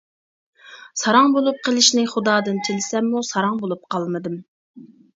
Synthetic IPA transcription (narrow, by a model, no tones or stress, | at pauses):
sɑɾɑŋbolˠup̚qʰəlˠɪʃnɪχʊd̪ɑːd̪ɨnt̪ʰɪlɪsɛmːusɑɾɑŋbolˠup̚qʰɑlˠmɨd̪ɨm